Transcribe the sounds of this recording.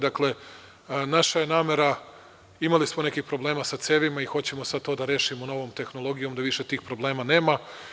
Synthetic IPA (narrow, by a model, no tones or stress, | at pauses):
d̪akle̞ | naʃaje̞naːme̞ɾa | imalismonekixpɾo̞ble̞ːmasat̪seːʋimaixo̞t͡ɕe̞mo̞sad̪̚t̪od̪aɾe̞ːʃimono̞ʋoːmt̪e̞xnolˠo̞ɡijo̞md̪aʋiʃet̪iːxpɾo̞ble̞ːmane̞ːma